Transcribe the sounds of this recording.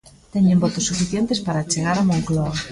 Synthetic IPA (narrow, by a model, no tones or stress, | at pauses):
t̪ɛɲẽmbɔt̪osːufiθjent̪espaɾat͡ʃeɣ̞aɾamõŋkloa